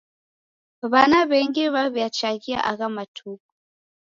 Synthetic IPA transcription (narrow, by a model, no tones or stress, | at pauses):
βanaβɛŋɡiβaβjat͡ʃaɣia̰ʔaɣamatʰuku̥